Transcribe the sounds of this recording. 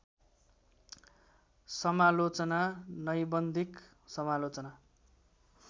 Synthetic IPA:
sʌmalot͡sʌnanʌjbʌnd̪ʱik | sʌmalot͡sʌna

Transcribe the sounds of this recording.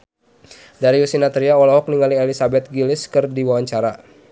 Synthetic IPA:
daɾiusinat̪ɾiaɔlɔɦɔk̚niŋaliɛlisabɛt̪̚ɡilɪskɨrdiwawaɲt͡ʃaɾa

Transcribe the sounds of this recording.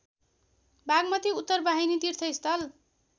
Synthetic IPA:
bʱaɡmʌt̪iut̪ːʌrbaɦinit̪irt̪ʰʌist̪ʌl

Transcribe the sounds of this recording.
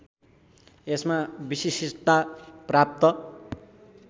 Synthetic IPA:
esmabisisit̪aprap̚t̪ʌ

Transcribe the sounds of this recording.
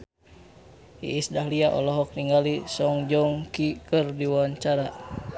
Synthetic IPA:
ḭʔːsdahliaʔɔ̰lɔɦɔk̚niŋalisɔŋd͡ʒɔŋkikɨrdiwaɲt͡ʃaɾa

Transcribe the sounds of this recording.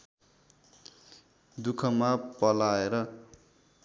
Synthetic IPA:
d̪ukʰʌmapʌlaeɾʌ

